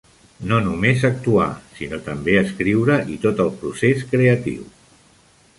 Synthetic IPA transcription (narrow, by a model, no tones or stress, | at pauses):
nonumezək̚t̪ua̰sinot̪əmbeəskɾiwɾəʔit̪ot̪əlˠpɾuseskɾeət̪ḭw